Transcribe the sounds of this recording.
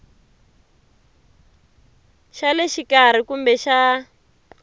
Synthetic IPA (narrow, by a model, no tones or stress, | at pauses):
ʃalɛʃikaɾ̤ikumbɛʃa